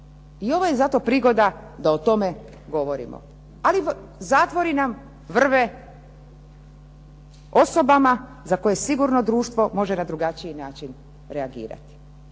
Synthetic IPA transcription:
io̞ʋojezat̪o̞pɾiɡo̞d̪a | d̪aot̪o̞me̞ | ɡo̞ʋo̞ɾḭmo̰ | ali | zaːt̪ʋo̞ɾinam | ʋr̩ʋe | o̞so̞bama | zako̞je̞siɡuɾnod̪ɾuːʃt̪ʋomo̞ʒe̞nad̪ɾuɡat͡ʃiinaːt͡ʃin | ɾeaɡḭːɾa̰t̪i̥

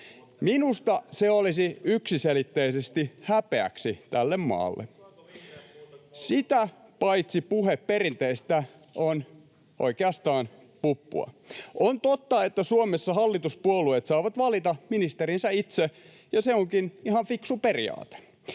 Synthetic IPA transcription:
minust̪ɑseolisiyksiselit̪ːeisest̪ihæpeæ̰ksit̪ælːemmɑ̰ːlːḛ | sit̪æpɑit̪sipuhepperint̪eist̪æ | on | ʔo̰ikeɑst̪ɑːn | pupːṵɑ̰ | ʔont̪ot̪ːɑet̪ːæsuomesːɑhɑlːit̪uspuoluet̪sɑːʋɑt̪ʋɑlit̪ɑminist̪eɾinsæit̪se | jɑseoŋkinihɑɱfiksuperḭɑ̰ːt̪e̥

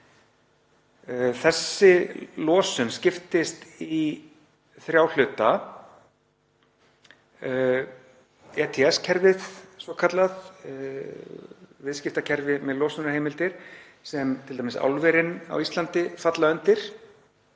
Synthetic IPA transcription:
θɛsːɪlɔːsʏnscɪft̪ɪst̪i | θɾjawl̥ʏːt̪a | ɛːt̪ʰɛɛscʰɛɾvɪðsɔkʰat̪lað | vɪðscɪft̪acʰɛɾvɪmɛðlɔːsʏnahɦejmɪlt̪ɪɾ̥ | sɛmt̪ʰɪlt̪amɪsa̰wlvɛɾɪna̰wist̪lant̪ɪfat̪laœnt̪ɪɾ̥

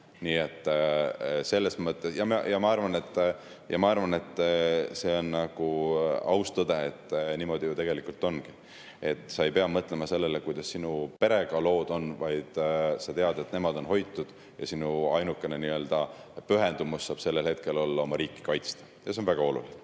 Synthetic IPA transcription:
niːe̞t̪ːˑ | se̞lːe̞smɤt̪ˑːesjɑmjɑmɑɑrvɑne̞t̪ː | jɑmɑɑrvɑne̞t̪ːse̞o̞nːnɑɡ̥uɑwst̪ɤd̪e̞et̪ːniːmo̞d̪̥iut̪e̞ɡ̥e̞likult̪ːˑo̞nɡ̥i̥ | e̞t̪ːˑsɑe̞jpe̞ɑmɤt̪ˑle̞mɑse̞lːe̞lekujd̪̥ɑsːinupe̞ɾe̞ɡ̥ɑlo̞ːd̪̥o̞nvɑjd̪̥sɑt̪e̞ɑd̪̥e̞t̪ne̞mɑd̪o̞nho̞jt̪ːˑud̪̥ | jɑsinuɑjnukːˑe̞neniø̞ld̪ɑpyɦe̞nd̪umusːɑːb̥se̞lːelhe̞t̪ke̞lo̞lːɑo̞mɑɾiːkːˑi̥kɑjt̪st̪ɑ̥ | jɑseonvæɡ̥ɑo̞lṵlin

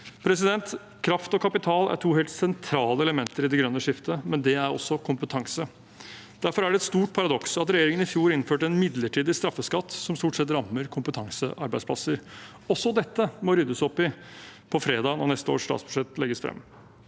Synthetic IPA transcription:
pʰɾɛs̬ɪd̪ɛnt̪ | kʰɾɑft̪ɔkʰɑpɪt̪ʰɑːlæ̰ʈʰuːheːlt̪sɛnt̪ʰɾɑːləɛləmɛnt̪əɾɪd̪ɛɡɾœnːəʂɪft̪ʰəmɛnd̪ɛæɾɔ̰sːɔkʰʊmpət̪ʰɑŋsə | d̪̥æɾfɔɾæɖɛɛt̪st̪uːʈ̚pʰɑɾɑd̪ɔksɑt̪ɾɛjeːɾɪŋənɪfjuːɾɪnføːʈəɛnmɪd̪ləʈʰiːd̪ɪst̪ɾɑfːəskɑt̪ːsɔmst̪uːʈsɛt̪ɾɑmːəɾkʰʊmpət̪ʰɑŋsəʔɑɾbæɪspʰlɑsəɾ | ɔsɔd̪ɛt̪ːəmɔɾʏd̪ːəsɔpːɪpʰɔfɾeːd̪ɑːnɔnɛst̪əo̰ːʂst̪ɑ̰ːsb̥ʉ̥ʂɛt̪ːlɛɡːəsfɾɛ̰mː

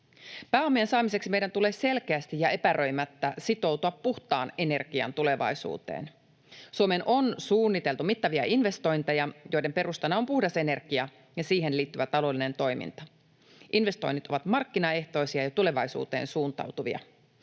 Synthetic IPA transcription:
pæːo̞mːiensɑːmise̞ksime̞jdænt̪ule̞ːse̞lkeæst̪ijɑe̞pæɾʔø̞jmæt̪ːæsit̪o̞wt̪uɑpːuht̪ɑ̰ːne̞ne̞rɡiɑ̰nt̪ule̞ʋɑ̰jsṵːt̪ḛːn | suomenʔo̞nsuːnːit̪e̞lt̪umit̪ːɑʋiɑʔinʋe̞st̪o̞jnt̪ejɑjo̞jde̞mpe̞ɾust̪ɑnːɑo̞mpuhdɑse̞ne̞rkiɑ | jɑsiːɦenliːt̪ːyʋæt̪ɑlo̞line̞nt̪o̞jmḭnt̪ɑ | ʔinʋe̞st̪o̞̰jnit̪o̞ʋɑt̪mɑrkːinɑe̞ht̪o̞isiɑjɑt̪ule̞ʋɑjsṵːt̪e̞̰ːnsuːnt̪ɑ̰wt̪uʋḭɑ̰

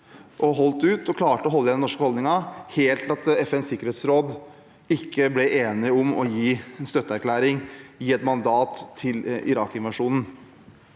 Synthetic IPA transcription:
ʔɔɦɔlt̪ʉːt̪ɔkʰlɑːʈəɔɦɔlːəɛd̪ɛnɔʂkəhɔld̪nɪŋɑheːlt̪ʰɑt̪ɛfɛnsɪkːəɾheːt̪sɾoːd̪ | ɪkʰːəblɛʔeːnɪɔmɔ̰jiːɛnst̪œt̪ːəæɾkʰlæːɾɪŋjiːɛt̪mɑnd̪ɑːt̪ʰːɪlɪ̰ɾɑːkɪnʋɑʂuːnn̩

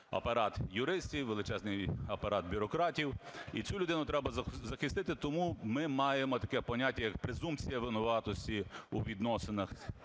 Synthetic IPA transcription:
ɐ̰pɐɾɑt̪jʊɾɪsʲtʲiwʋelˠɪt͡ʃɛznɪjɐpɐɾɑt̪̚bʲʊɾɔkɾɑtʲiwit͡sʲulʲʊd̪ɪnʊt̪ɾɛbɐzɐzɐxɪst̪ɪt̪ɪt̪ɔmumɪmɑjemɔt̪ɐkɛpɔnʲatʲːɐjɐk̚pɾezumpt͡sʲijɐʋɪnʊʋɑt̪ɔsʲtʲiuʋʲid̪nɔsenɐx

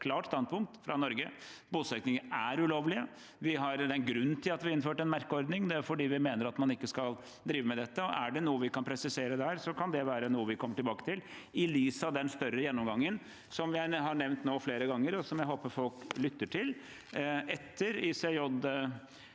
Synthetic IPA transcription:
kʰlɑːʈst̪ɑnpʊŋk̚t̪fɾɑnɔɾɡəbuːsœknɪŋəæɾʉloːʋlɪə | ʋɪɦɑɾɛnɡɾʉnːt̪ʰɪlɑt̪ʋɪɪnːføːʈɛnmæɾkəɔɾd̪nɪŋd̪ɛæɾfɔɖiːʋɪmeːnəɾɑt̪mɑnɪkːəskɑl | d̪ɾiːʋəmɛd̪ɛt̪ːəɔʔæɖɛnuːəʋɪkɑnpʰɾɛsɪseːɾəd̪ɛhæːɾsɔkʰɑnd̪ɛʋæːɾənuːəʋɪkʰɔmːəʈɪlbɑːkət̪ʰɪl | ɪliːsɑd̪ɛnst̪œɾːəjɛnːɔmɡɑŋːən | sɔmʋɪæɦɑɳɛʋnt̪noːfleːɾəɡɑŋːəɾɔsɔmjæɪɦoːpəfɔlklʏt̪ːəʈʰɪl | ɛt̪ʰːəɾɪsɛjɔd̪

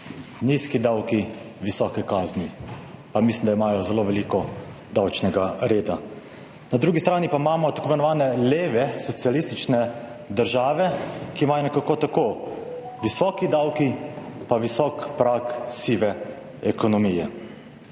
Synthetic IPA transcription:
niskid̪awki | ʋisɔːkɛkaːznipamislimd̪aimaːjɔzɛloːʋɛliːkɔ | d̪awt͡ʃnɛɡaɾeːd̪a | nad̪ɾuːɡist̪ɾaːnipaimaːmɔt̪akoːʋmɛnɔʋaːnɛleːʋɛsɔt̪sialist̪it͡ʃnɛ | d̪əɾʒaːʋɛkiːmaːjɔnɛkakoːt̪akoː | ʋisɔːkid̪awkipaʋisɔːkpɾaksiːʋɛ | ɛkɔnɔmijɛ̰

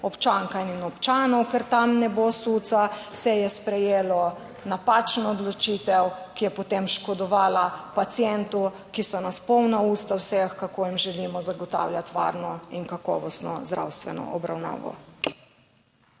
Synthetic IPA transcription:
ɔpt͡ʃaŋkaininɔpt͡ʃaːnɔwkɛɾt̪amnɛbosut̪sasɛjɛspɾɛjeːlɔ | napat͡ʃnɔɔd̪lɔt͡ʃiːt̪ɛwkijɛpɔt̪emʃkɔd̪ɔʋaːlapat̪sjɛnt̪u | kisɔnaspɔwnauːst̪awsɛxkakojimʒɛlimɔzaɡɔt̪a̰wljat̪ʋa̰ːɾnɔiŋkakɔ̰ːʋɔst̪nɔ̰zd̪ɾa̰wst̪ʋɛnɔ̰ʔɔbɾawna̰ːʋɔ̰

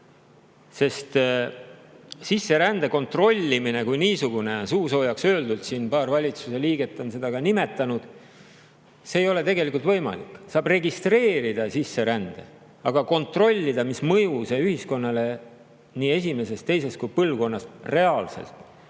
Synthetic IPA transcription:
se̞st̪ | sisːe̞ɾænd̪̥e̞ko̞nt̪ro̞lʲːimine̞kujniːsuɡ̥une̞suːso̞ːjɑksøːld̪ult̪sinpɑːrvɑlʲit̪su̥se̞liːɡ̥e̞t̪ːˑo̞nse̞d̪̥ɑɡɑnime̞t̪ːˑɑnud̪̥ | se̞ːjo̞le̞t̪e̞ɡe̞likult̪vɤ̞jmɑ̰lḭkːˑsɑːbre̞ɡist̪re̞ːɾid̪̥ɑsisːe̞ɾænd̪̥e̞̰ | ɑɡ̥ɑko̞nt̪ro̞lʲːid̪ɑmismɤjuseyhisko̞nːɑle̞ | niːe̞sʲime̞se̞st̪t̪ːe̞jse̞st̪kujpɤlvko̞nːɑsre̞ɑːlsḛlt̪ˑ

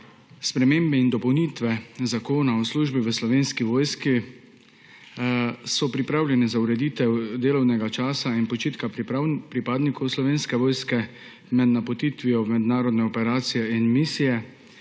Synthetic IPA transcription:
spɾɛmeːmbɛind̪ɔpɔwnit̪ʋɛzakoːnaɔsluːʒbiʋəslɔʋeːnskiʋoːjski | sɔpɾipɾaːwlʲjɛnɛzauɾɛd̪iːt̪ɛwd̪eːlɔwnɛɡat͡ʃaːsainpɔt͡ʃiːt̪kapɾipaːd̪nikʰɔwslɔʋeːnskɛʋɔːjskɛ | mɛd̪napɔt̪iːt̪ʋijɔmɛd̪naːɾɔd̪nɛɔpɛɾaːt̪sijɛinmisijɛ

